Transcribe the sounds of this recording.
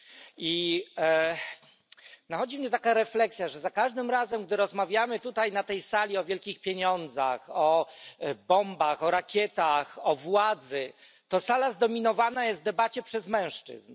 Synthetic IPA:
i | naxɔd͡ʑimɲɛt̪akaɾɛflɛksʲjaʐɛzakaʐd̪ɘmɾazɛmɡd̪ɘɾɔzmavʲjamɘt̪ut̪ajnat̪ɛjsalʲiɔvʲjɛlkʲixpʲjeɲɔnd̪za̰xɔ | bɔmbaxɔɾakʲjɛt̪axɔvwad̪zɘ | t̪ɔsalazd̪ɔmʲinɔvanajɛst̪d̪ɛbat͡ɕɛpʂɛzmɛ̃w̃ʂt͡ʂɘ̰zn

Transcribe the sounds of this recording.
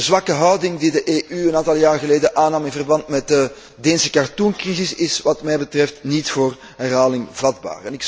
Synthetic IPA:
əzʋɑkəɦœwdɪŋdidəʔeːʔyənaːntɑlˠjaːrɣəleːdənʔaːnɑmɪnvərbɑntmɛt̚də | deːnsə̥kartuŋkrizɪsɪsʋɑtmɛjbətrɛftnitfoːr | ɦɛrɦaːlɪŋvɑdba̰ːrɛnɪk

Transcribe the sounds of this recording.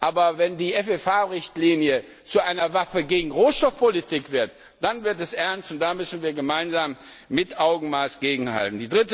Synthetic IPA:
ʔaːbɐvɛndiːʔɛfɛfaːʁɪçtliːnjə | t͡suʔaɪnɐvafəɡeːɡŋ̩ʁoːʃtɔfpolitʰɪkv̥ɪɐt | d̥anvɪɐtɛsʔɛɐnstʊnt̚d̥aːmʏsn̩viːɐɡəmaɪnzaːmː | ɪtʔaʊɡŋ̩maːsɡ̥eːɡŋ̩ha̰ltn̩diːdʁɪtə

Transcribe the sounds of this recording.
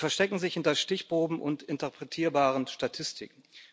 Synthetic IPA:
fɛɐʃtɛkŋ̩zɪçhɪntɐʃtɪçb̥ʁ̥oːbm̩ʔʊ̰ntɪntəpʁ̥ɛtʰiːɐbaːʁənʃtatʰɪstʰɪ̰kŋ̩

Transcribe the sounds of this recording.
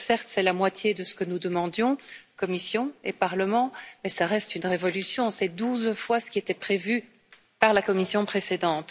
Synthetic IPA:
sɛʁt̪sɛlamwat̪jed̪əsə̥kənud̪əmɑ̃d̪jɔ̃kɔmisjɔ̃epaʁləmɑ̃mɛsaʁɛst̪ynʁevɔlysjɔ̃sɛd̪uzfwasə̥kʲiet̪ɛpχevy | paʁlakɔmisjɔ̃pχesed̪ɑ̃t̪

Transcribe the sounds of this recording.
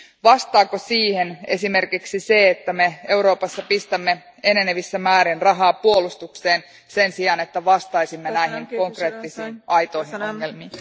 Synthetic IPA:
ʋɑst̪ɑːkosiːhe̞ne̞sime̞rkiksise̞et̪ːæme̞e̞wɾo̞ːpɑsːɑpist̪æmːe̞ | e̞neneʋisːæmæːɾinrɑɦɑːpuo̞lust̪ukse̞ːn | se̞nsiɑne̞t̪ːæʋɑst̪ɑjsimːenæjɦinko̞ŋkre̞ːt̪ːisiːnɑjt̪o̞iɦinoŋːe̞lmiːn

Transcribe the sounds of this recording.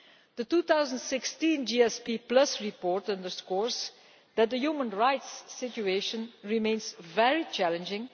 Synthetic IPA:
d̥̪ətuːt̪awzə̃ntsɪkstĩnd͡ʒiɛspiplʌsɹipɔɹtə̃ndəskɔɹs | d̪̥æt̚d̪əjumə̃nɹaɪtsːɪt͡ʃueʃə̃nɹimẽɪ̃nzvɛɹit͡ʃælə̃nd͡ʒɪ̃ŋ

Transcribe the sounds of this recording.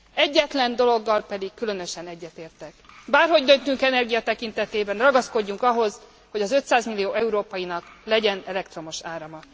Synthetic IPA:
ɛɟːɛt̪lɛnd̪o̞lo̞ɡːɒlpɛd̪ikːylø̞nø̞ʃɛnɛɟːɛt̪eːrt̪ɛkbaːrɦo̞ɟd̪ønt̪yŋkɛnɛrɡijɒt̪ɛkint̪ɛt̪eːbɛnrɒɡɒsko̞ɟːuŋkɒɦo̞z | ho̞ɟɒzø̞t̪saːzmilːijoːɛuɾoːpɒjinɒklɛɟɛnɛlɛkt̪ro̞mo̞ʃaːɾɒmɒ

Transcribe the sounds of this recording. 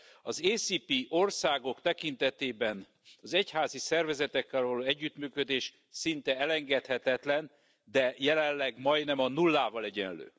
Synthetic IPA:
ɒzeːsiːpiʔo̞rsaːɡo̞kt̪ɛkint̪ɛt̪eːbɛn | ɒzɛchaːzisɛrvɛzɛt̪ɛkːɛlvɒloːɛɟːyt̪myːkød̪eːʃ | sint̪ɛɛlɛŋɡɛt̪hɛt̪ɛt̪lɛn | d̪ɛjɛlɛllːɛɡmɒj̪nɛmɒnulːaːvɒlɛɟɛ̰nlø̰ː

